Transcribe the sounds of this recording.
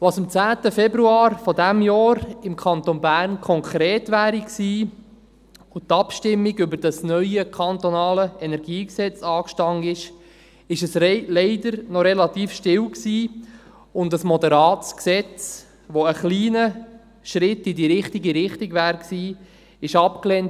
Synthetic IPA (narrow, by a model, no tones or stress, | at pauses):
ʋɑsɪmt͡sæːt̪əfɛbɾuɑːɾfɔdæmjɑːɾɪmkʰɑnt̪onbæːɾnkʰɔŋkʰɾeːtʋæːɾiksiː | ʊt̪ɑpʃtɪmːiɡʏbəɾd̥ɑsnœʏəkʰɑnt̪onɑːləɛnɛɾɡiːksɛt͡sɑːkʃtɑŋɪʃ | ɪʃəslɛɪdəɾnɔɾɛlɑt̪iːfʃtɪwksiː | ʊndɑsmɔd̪əɾɑːtt͡sksɛt͡s | ʋoəχliːnə | ʃɾɪt̪ːidiɾɪχtiɡiɾɪχtiɡʋæːɾksiː | ɪʃɑpkleːnt